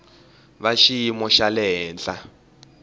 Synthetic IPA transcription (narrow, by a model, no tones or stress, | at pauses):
βaʃijimɔʃalɛɦɛːnd͡ɮʼa